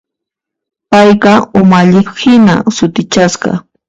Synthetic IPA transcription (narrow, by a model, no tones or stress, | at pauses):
pajqɑʊmaʎɪphɪna̰sʊt̪ɪt͡ʃasqɑ̰